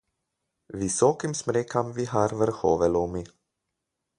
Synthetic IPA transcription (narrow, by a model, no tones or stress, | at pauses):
visoːkimsmɾeːkʰamviɦaːɾvɛɾxoːvɛlumi